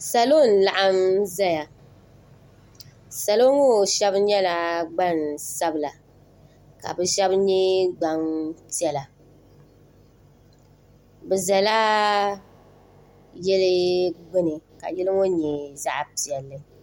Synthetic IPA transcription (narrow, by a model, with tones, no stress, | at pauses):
sa˨lo˦˨n˨la˨ʔa˦mza˦ja˨ | sa˨lo˦ŋo˦ʃɛ˦bɲɛ˦la˨ɡ͡ba˦˨nsa˦bɨ˨la˨ | ka̰˨bɛ˨ʃɛ˦bɲɛ˦ɡ͡ba˨ŋti˦ɛ˦la˨ | bɛ˨za˨la˦ | jɛ˦lɨ˦ɡ͡bɪ˦nɨ˨ka̰˨jɛ˦lɨ˦ŋo˦ɲɛ˨za˦ʔpi˨ɛ˨lːɨ˦